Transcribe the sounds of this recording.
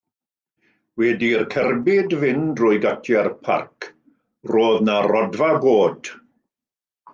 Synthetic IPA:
wɛdirkʰɛrbɪdvɪndrʊjɡatʰjɛrpʰa̰rkʰ | roːðnarɔdvaboːd̥

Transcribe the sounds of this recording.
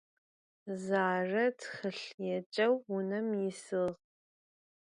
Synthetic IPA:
zaːrɐtʰχɨɬjɛt͡ʃʼɐwʊnɐmjɪsɨʁ

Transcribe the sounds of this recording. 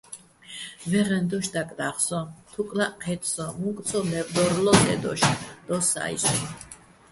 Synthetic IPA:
vɛʁɛnd̪ɔʃd̪akʼd̪aχsɔt̪ʰukʼlaqʰɛt̪ʰʼsɔmuŋkʼt̪sʰɔlɛvd̪ɔɾlɔd̪ʼɛ̰d̪ɔ̰ʃd̪̥ɔsa̰ḭsɔ̰

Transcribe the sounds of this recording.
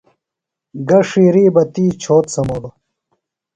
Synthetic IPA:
ɡɐʂiːɾiːbɐt̪iːt͡ɕʰoːt̪sɐmoːlo

